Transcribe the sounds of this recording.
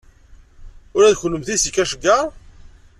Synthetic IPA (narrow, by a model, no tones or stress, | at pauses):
ʊɾæðçlːəmθisəkːæʃəɡːaɾˤ